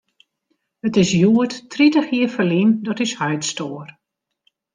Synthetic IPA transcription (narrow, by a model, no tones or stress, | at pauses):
ətɪsjuəttritəxjiːəfəlindɔtɪshœɥtstoːər